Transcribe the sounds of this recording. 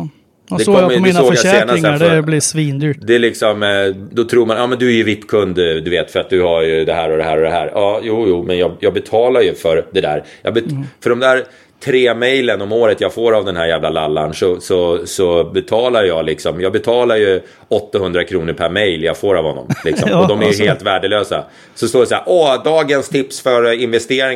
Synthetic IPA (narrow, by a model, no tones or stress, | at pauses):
d̪ɛɔmːəɛsoːɡɡjaseːnaɛblisviːnd̪yːd̪ɛlɪksɔmd̪ɔt̪ʰɾuːɾmanɑːmɛnd̪ɵæɾjɵvɪpːkʰɵnd̪d̪ɵveːt̪fœɾat̪̚d̪ɵhajɵd̪ɛɦæːɾɔd̪ɛɦæːɾɔd̪ɛɦæ̰ːɾʔɑːjuːjuːmɛnjɑːjɑːɡbɛt̪ʰɑːlaɾjɵfœɾd̪ɛd̪æ̰ːɾjɑ̰bɛfœɖɔmd̪æːɾ | t̪ʰɾeːmɛjlənɔmoːɾət̪jɑːɡfoːɾavd̪ɛnɦæɾjæːvlalalːa̰nʂɔsɔsɔbɛt̪ʰɑːlajjɑːɡlɪksɔmjɑːɡbɛt̪ʰɑːlaɾjɵ | ɔt̪ːahɵnd̪ɾakʰɾuːnəɾpʰæɾmɛjljɑ̰ːɡfoːɾavhɔnːɔ̰mlɪksɔ̰mɔd̪ɔmæjɦeːlt̪væːɖɛløːsa̰ | sɔst̪oːɖɛsaæ̰ːɾʔɔd̪ɑːɡənst̪ʰɪpsfœɾɪnvɛst̪eːɾɪ